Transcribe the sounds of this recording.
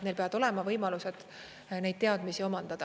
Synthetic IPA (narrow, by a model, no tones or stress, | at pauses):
ne̞jlpeɑd̪o̞le̞mɑvɤjmɑlused̪̥ | ne̞jd̪̥̚t̪eɑd̪misio̞mɑnd̪̥ɑd̪̥ɑ